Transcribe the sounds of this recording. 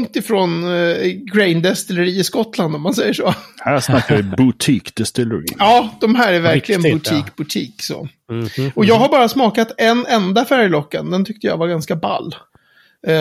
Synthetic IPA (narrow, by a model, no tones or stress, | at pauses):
ŋt̪ɪfɾoːnɡɾɛɪnd̪ɛst̪ɪləɾiːɪskɔt̪land̪ɔmːansɛjːəʂoːhæːʂnakːavɪbʊt̪ʰiːkd̪ɛst̪ɪlɛɾḭːɑːd̪ɔmɦæːɾæɾvæɾk̪ʰɪɡənbɵt̪ʰiːkbɵt̪ʰiːkso̰ː | ɔjɑːɡhaɾbɑːɾasmɑːkat̪ɛnɛnd̪afæɾjlɔkːə̰nd̪ɛnt̪ʰʏk̚t̪əja̰vaɡanskaba̰lː